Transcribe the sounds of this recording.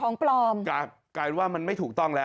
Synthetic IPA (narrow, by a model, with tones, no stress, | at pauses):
ɔː˩˦ŋplɔː˧mkaː˧˩ | kaː˧jwaː˥˩ma˧nma˥˩jt̪ʰuː˨˩k̚t̪ɔ˥˩ŋlɛː˦˥